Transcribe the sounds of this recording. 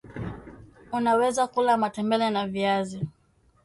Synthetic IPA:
unawɛzakulamatɛmbɛlɛnaviazi

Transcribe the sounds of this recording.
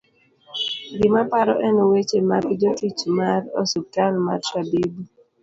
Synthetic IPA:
ɡɪmapaɾɔ̰ʔɛnɔwet͡ʃemaɡd͡ʒotit͡ʃmaɾosutalma̰tɾabibu

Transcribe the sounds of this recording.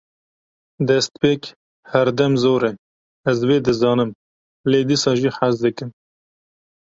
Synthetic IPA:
d̪ɛst̪peːk | hɛɾd̪ɛmzoːɾɛ | ɛzweːd̪ɨzɑːnɨm | leːd̪iːsɑːʒiːħazd̪ɨkɨm

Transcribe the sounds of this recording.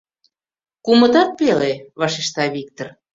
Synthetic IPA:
kumə̆t̪ɑt̪̚peleβɑʃeʃt̪ɑβik̚t̪or

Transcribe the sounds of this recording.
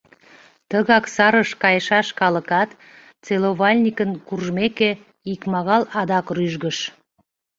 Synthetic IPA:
t̪əɣɑksɑɾəʃkɑjʃɑʃkɑləkɑt̪ | t͡seloβɑlʲnʲikənkurʒmeke | ikmɑɣɑlɑd̪ɑkryʒɣəʃ

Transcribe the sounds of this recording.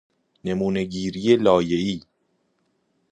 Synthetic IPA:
ne̞muːne̞ɟiːɾijelɒːjeiː

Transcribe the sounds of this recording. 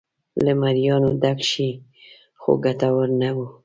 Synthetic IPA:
ləmaɾjɑnod̪akʃi | xo̰ɡat̪awaɾnawu

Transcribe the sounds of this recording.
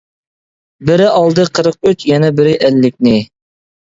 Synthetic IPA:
bɪɾɪʔɑlˠd̪ɨqʰəɾəq̚yt͡ʃjɛnɛbɪɾɪʔælːɪk̚ʲnɪ

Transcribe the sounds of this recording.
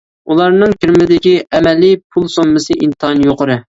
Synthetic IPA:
ulˠɑɾnɨŋkʲʰiɾmɪd̪ɪkʲiʔɛmɛlːɪpʰulˠsomːɨsɨʔint̪ɨɦɑnjoqəɾɨ

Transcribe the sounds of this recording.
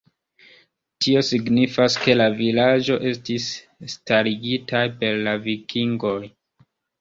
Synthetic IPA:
tio̞siɡnifaske̞lavilad͡ʒo̞ʔe̞stisː | taɾiɡitajpe̞ɾlavikʰiŋɡo̞j

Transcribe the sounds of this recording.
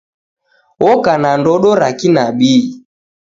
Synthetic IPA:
wɔkanandɔɗɔɾakinaɓi

